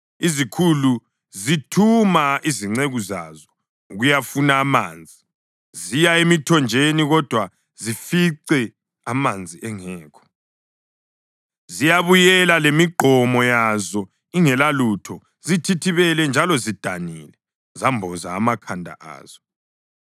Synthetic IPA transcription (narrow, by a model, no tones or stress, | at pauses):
izikʰulu | zitʰumaiziŋ͡ǀeɣuzazɔ | uɣujafunaːma̰ːnd͡zʱi | zijaemitʰɔnd͡ʒʱeniɣɔd̥ʱwa | zifiǀɛ | amand͡zʱiʔɛŋɛːkʰɔ̥ | zijaβujɛlalemiɡ͡ǃʱɔmɔjazɔ | iŋɛlalutʰɔ | zitʰitʰiβɛlɛnd͡ʒʱalɔzid̥ʱanilɛ | zambʱɔza̰ːmakʰandʱa̰ʔa̰ːz̥ɔ